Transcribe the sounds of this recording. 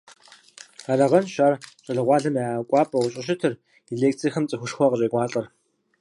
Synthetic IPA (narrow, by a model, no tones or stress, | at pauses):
aɮɐʁɐnʃaːrɕʼɐɮɨʁʷɑːɮɐmakʷʼɑːpʼɐwʷʊɕʼɪɕ̬ɪtʰɨr | iɮeːk̚tʰiːxɨmt͡sʼɨxʷʊʂxʷɔqərʼeːɡʷɑːɬʼɐr